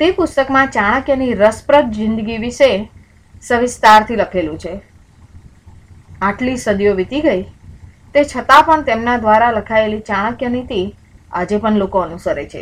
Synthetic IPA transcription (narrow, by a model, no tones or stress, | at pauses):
t̪epʊst̪əkmãt͡ʃaɭ̃əkjəniɾəspɾət̪̚d͡ʒɪnd̪əɡiʋiʃe | səʋɪst̪aɾt̪ʰiləkʰelũt͡ʃʰe | aʈlisəd̪ijoʋit̪iɡəjt̪et͡ʃʰət̪apəɳt̪emnad̪ʋaɾaləkʰaelit͡ʃaɭ̃əkjənit̪i | ad͡ʒepəɳlokoənusəɾet͡ʃʰḛ